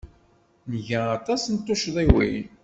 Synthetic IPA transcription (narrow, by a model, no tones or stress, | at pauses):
nəʝæːt̪ˤɑsnt̪ːʊʃðˤiwḭj